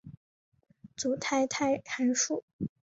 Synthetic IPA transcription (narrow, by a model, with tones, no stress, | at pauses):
t͡su˨˩t̪ʰa˥˩ɪt̪ʰa˥ɪa˧˥nʂu˥˩